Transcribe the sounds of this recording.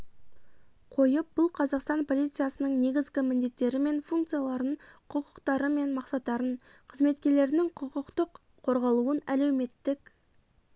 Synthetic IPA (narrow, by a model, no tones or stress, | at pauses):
qʰo̞jəp̚b̥ʊlˠqʰɑzɑqst̪ɑnpʰo̞lˠijt̪sɨjasənəɴne̞ɡʲɪzɡʲɪmɪnd̪e̞t̪ːe̞ɾɪme̞nfuŋk̚t̪sɨjalˠɑɾənqʰʊqə̥qt̪ɑɾəme̞nmɑqsɑt̪ːɑɾəɴqʰəzme̞t̪kʲe̞ɾle̞ɾɪnɪŋqʰʊqəqt̪əqʰː | o̞ɾʁɑlˠuənæle̞wme̞t̪ːɪk